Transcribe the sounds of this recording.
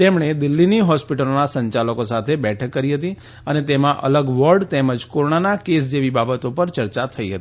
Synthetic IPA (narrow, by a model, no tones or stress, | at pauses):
t̪emɳ̃ed̪ɪlːiniɦɔspiʈəlonasəɲt͡ʃaləkosat̪ʰebɛʈʰəkːəɾiɦət̪i | ənet̪emãʔə̰ləɡʋəɾɖt̪eməd͡ʒkoɾoɳanakes̬d͡ʒeʋibabət̪opəɾt͡ʃəɾt͡ʃat̪ʰəiɦə̰t̪i